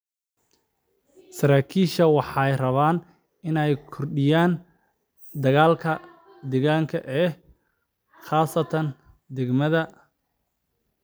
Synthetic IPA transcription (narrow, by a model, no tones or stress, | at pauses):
sɐɾaːkʰiːʃɐwɑħɑjrɐβaːn | ɪnɛjkʰɔrɖɪjaːn | d̪ɐɣaːlkʰɐ | d̪ɛɣaːŋkʰɐʔɛː | χaːsɐt̪ʰɐn | d̪ɛɡmɐðɐ